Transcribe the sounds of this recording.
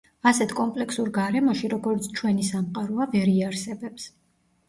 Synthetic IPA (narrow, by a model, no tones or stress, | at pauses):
asɛt̪ʰkʼɔmpʼlɛksuɾɡaɾɛmɔʃiɾɔɡɔɾt̪sʰt͡ʃʰwɛnisamqʼaɾɔavɛɾiaɾsɛbɛps